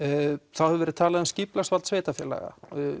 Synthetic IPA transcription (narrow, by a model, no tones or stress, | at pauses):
θawhɛvʏvɛɾɪðt̪ʰaːlaðʏmscɪplast̪valt̪sveːt̪afjɛla̰ɣa̰